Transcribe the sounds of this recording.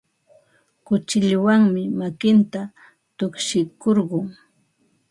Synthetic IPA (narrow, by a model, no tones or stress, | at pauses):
kʊt͡ʃɪʎwaŋmɪmakɪnt̪a | t̪ʊkʃɪkoɾɢʊŋ